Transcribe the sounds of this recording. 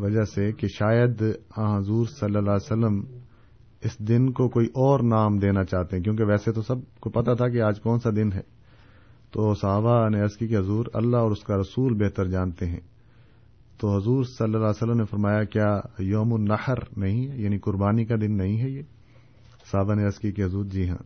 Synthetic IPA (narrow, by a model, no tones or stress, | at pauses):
ʋɐd͡ʒasekeʃaːjəd̪ãɦɐzuːɾsɐlːəlaːsəlːəm | ɪsd̪ɪnkokoːiʔɔːɾnaːmd̪eːnat͡ʃaːɦt̪eɦɛ̃kjõːk̬eʋɛːset̪osɐb̚kopɐt̪at̪ʰak̬eaːd͡ʒkɔːnsad̪ɪnɦɛ̰ː | t̪oːsɐɦaːbaneəskikeɦʊzuːɾɐ̰lːaɦɔːɾʊskaɾɐsuːlbeɦt̪əɾd͡ʒãːnt̪eɦɛ̰̃ː | t̪oːɦɐzuːɾsɐlːəlaːsəlːəmnefɐɾmaːjakjaːjoːmʊnːɐhɾnɐɦĩɦɛjaːnĩkʊɾbaːnikad̪ɪnːɐɦĩɦɛjeː | sɐɦaːbaneəskikeɦɐzuːɾd͡ʒiːɦã̰ː